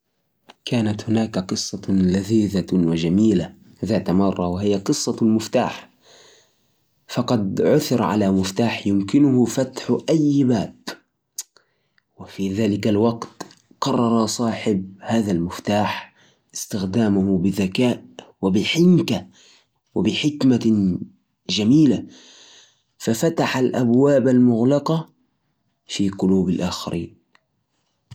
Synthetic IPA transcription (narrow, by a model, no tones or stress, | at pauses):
kaːnat̪hʊnaːkaqɨsˤːɑlaðiːðawad͡ʒamiːla | ðaːt̪amɑrˤːɑwahɪjaqɨsˤːɑmɪft̪a̰ːħ | fɑqɑd̪ʕʊθɪɾʕa̰lamɪft̪aːħjʊmkɪnʊhʊfat̪ħʔajːbaːb | wɪfiðaːlɪkalwɑɡt̪ | qɑrˤːɑɾˤɑsˤɑːħɪb̚haːðalmɪft̪aːħ | ʔɪ̥st̪ɪxd̪aːmʊhbɪðakaːʔwɪbɪħɪŋka | wɪbɪħɪkma | ʒamiːla | fafat̪aħalʔabwaːbalmʊɣlɑqɑ | fiqʊluːbalʔaːxa̰ɾʔḭːn